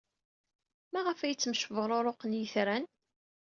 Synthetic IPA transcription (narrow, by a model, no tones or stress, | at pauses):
mæʁəfæjət͡sːəmʃəvəʁɾˤoɾˤoqənjəθɾæn